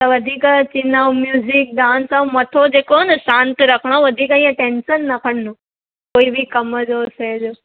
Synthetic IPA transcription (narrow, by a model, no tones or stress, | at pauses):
t̪ɐʋɐd̪ʱiːkt͡ɕinaũmjuːzik̚ɖãːnsãmɐt̪ʰod͡ʑeːkonɨʃãːnt̪ɨɾɐkʰɽ̃aʋɐd̪ʱiːkaĩãʈeːnsənːɐkʰəɽ̤nũ | koːibʱikɐməd͡ʑoːseːd͡ʒoː